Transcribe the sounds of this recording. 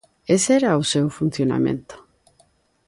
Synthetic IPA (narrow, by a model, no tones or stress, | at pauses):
eseɾausewfun̟θjona̰mḛ̃nt̪o̥